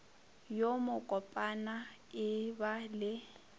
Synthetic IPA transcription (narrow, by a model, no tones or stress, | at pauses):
jomʊkʼɔpʼana | ɪbalɪ